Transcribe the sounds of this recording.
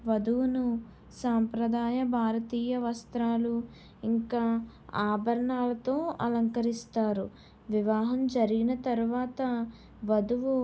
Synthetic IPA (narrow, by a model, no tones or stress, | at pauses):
ʋɐd̪uʋunu | saːmpɾɐd̪aːjɐbʱaːɾɐt̪iːjɐʋɐst̪ɾaːlu | iŋkaː | aːbʱɐɾɐɳaːlɐt̪oːɐlɐŋkɐɾist̪aːɾu | ʋiʋaːɦɐmd͡ʒɐɾiɡinɐt̪ɐɾuʋaːt̪ɐ | ʋɐd̪uʋu